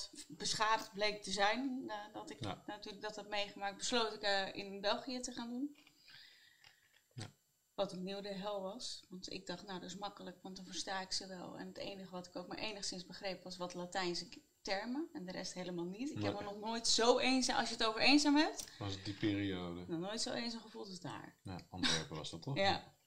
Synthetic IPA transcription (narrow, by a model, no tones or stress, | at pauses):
b̥əsχaːdəχt̚blejk̚təzɛjndɑtɪknatyːləɡ̚dɑtɦɛt̚mejχəmaːk̚t̚bəslowtɪkəɪ̰nbɛlˠχijətəχaːndun | ʋɑtənːiwdəɦɛlˠʋɑsʋɑntɪ̰ɡ̚dɑχtnawdɑɪs̬mɑkələkʋɑntdɑnvəɹstaːɪksəʋɛ̰lˠɛ̰nətḛjnəχəʋɑtɪ̥kowkma̰ːɹʔejnəχsɪnzbəχrejpʋɑsʋɑtlatɛjnsək | tɛɹməɛndəɾɛ̰stɦejləmaːlˠnitɪkɦɛpənɔχnoːjtsowejnzaʔɑ̰sjəətowvəɾejnzaːmɦɛp̚tɑsdipɪːɾiowdənɔχnoːjtsowʔejnzaːmχəvulˠtəda̰ːɹa̰ʔɑ̰ntʋɛ̰ɹpəɑ̰sdɑtɔja